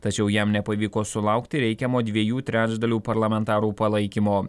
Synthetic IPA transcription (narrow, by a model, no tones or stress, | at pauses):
t̪ɐt͡ʃʲɛʊjɛmnʲɛpɐʋʲiːkoːsʊlˠɐʊkt̪ʲɪɾʲɛɪkʲɛmoːd̪ʲʋʲiɛjuːt̪ʲɾʲæːd͡ʒd̪ɐlʲuːpɐɾlˠɐmʲɛnt̪ɑːɾuːpɐlˠɐɪkʲɪmoː